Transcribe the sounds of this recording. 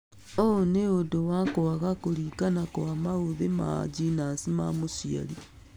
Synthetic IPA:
ooneodowakowaɣakoɾiːkanakowamaoðema̰d͡ʒinasimamosia̰ɾi

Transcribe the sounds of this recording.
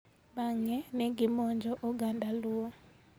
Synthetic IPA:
baŋɛnɛɡɪmɔɲd͡ʒɔʔɔɡandalʊɔ

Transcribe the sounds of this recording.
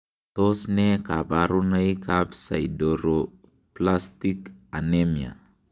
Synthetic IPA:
t̪osnɛkapaɾunaikapsaidoɾo | plast̪ikanemia̰

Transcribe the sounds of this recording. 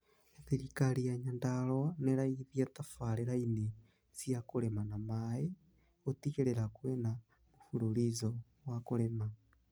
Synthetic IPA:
eθelikalijaɲandalwanelaiðjatafaleɾaine | zjakulemanamae | otikelelakwena | mufululizo | wakulema

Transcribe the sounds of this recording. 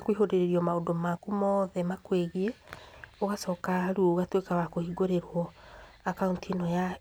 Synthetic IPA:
kwiɦodeɾeɾiɔmaondomakumɔðɛmakweɣieoɣasɔːkaɾuoɣatwekawakohiɡoɾeɾwɔ | akauntʰinɔja

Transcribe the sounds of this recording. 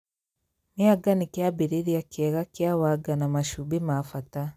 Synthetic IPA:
neaɡanikjabiɾiɾiakjɛɣakjawaɡanamaʃubimafata

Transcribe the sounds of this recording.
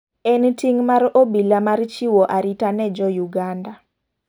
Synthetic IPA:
ɛntiŋmaɾobilamart͡ʃiwɔʔaɾitanɛd͡ʒɔjuɡanda

